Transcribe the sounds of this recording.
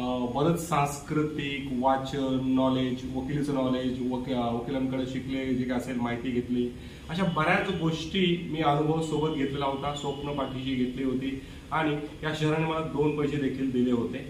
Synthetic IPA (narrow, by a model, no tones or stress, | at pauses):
bəd̪ʱət̪sãnskɾut̪ikʋat͡ɕəːɔled͡ʑʋəkʰilit͡sənɔled͡ʑʋəʋəkʰiləmkəɽeɕikled͡ʑekəselmaɦit̪iːɡʱet̪liː | əɕabəɾjat͡səɡoʂʈiːmiːənubʱəũsobət̪ɡʱet̪lelaɦot̪asʋəpnəpaʈʰiɕiːɡʱet̪liːɦot̪iː | aɽ̃ijaɕəɾəɳiməad̪onpəjsed̪ekʰiːld̪ileɦot̪e